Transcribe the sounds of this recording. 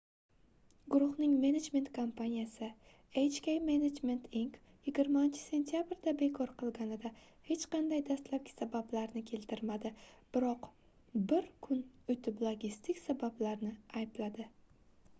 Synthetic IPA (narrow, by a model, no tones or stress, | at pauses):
ɡʊɾʊhnɪŋme̞ned͡ʒme̞nt̪kʰompʰanijasɪ | ejt͡ʃkʲejmened͡ʒme̞nt̪ʰiŋk | jɪɡʲɪɾmaɪnt͡ʃʰɪ̥se̞nt̪ʰijabɾd̪abe̞kʰɒɾqɨlˠɡʲanɪd̪a | he̞t͡ʃqɑnd̪ajd̪ast̪lap̚ʲɪ̥sabablaɾnɪkʲʰe̞lt̪ʰɪɾmad̪ɪb̥ɪɾɒq | bɪɾkʰʊnʊjt̪ʰɪblˠoɡʲist̪ʰɪkʲsabablaɾnɪajblad̪ɪ